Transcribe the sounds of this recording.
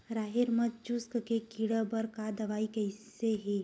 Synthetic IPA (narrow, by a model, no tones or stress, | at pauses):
ɾaːɦɪɾmɐtt͡ʃʊskkekiɽəbɐɾkad̪ɐʋaːikeɦɪseɦi